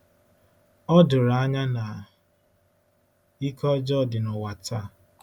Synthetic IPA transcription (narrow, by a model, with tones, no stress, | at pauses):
ɔ˦dʊ˨ɾa˨a˦ɲa˦na˨ | i˦kɔ˦d͡ʒɔ˦˨dɪ˨nʊ˨wa˨ta˦˨